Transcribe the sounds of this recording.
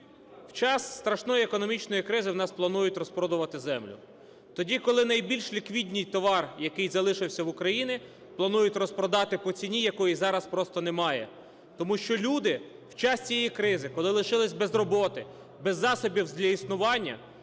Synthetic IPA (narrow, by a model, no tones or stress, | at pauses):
wt͡ʃɑsːt̪ɾɐʃnɔjiekɔnɔmʲit͡ʃnɔjikɾɪzɪwnɑsplˠɐnujʊtʲɾɔspɾɔd̪ʊʋɐt̪ɪzɛmlʲʊ̰ | t̪ɔdʲikɔlˠɪnɐjbʲilʲʃlʲikʋʲidʲnʲijt̪ɔʋɑrjɐkɪjzɐlˠɪʃɪwsʲɐwʊkɾɐjinʲɪ | plˠɐnujʊtʲrɔspɾɔd̪ɑt̪ɪpɔt͡sʲinʲijɐkɔjizɑɾɐspɾɔst̪ɔnemɑjɛ̰ | t̪ɔmuʃt͡ʃɔlʲud̪ɪ | wt͡ʃɑst͡sʲijɛjikɾɪzɪkɔlˠɪlˠɪʃɪlˠɪsʲbɛzrɔbɔt̪ɪ | bɛzːɑsɔbʲiwzʲlʲɐisnʊʋɑnʲːɐ̰